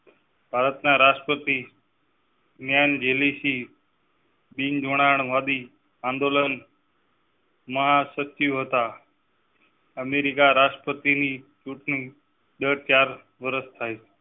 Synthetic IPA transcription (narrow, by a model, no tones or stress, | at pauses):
b̥ʱaːɾət̪nãːɾaːsʈəpət̪iː | njaːɪnd͡ʒeːliːsiː | ɓĩːnd͡ʒʱoːɽ̃aːəɳ̃ʋaːd̪iː | ãːnd̪oːlən | mãsət͡ʃijoɦət̪aː | əmeːɾɪkaɾaːsʈəpət̪iniːt͡ʃuʈni | ɗəːɽt͡ʃaːɾ | ʋəɾəst̪ʰaːɦe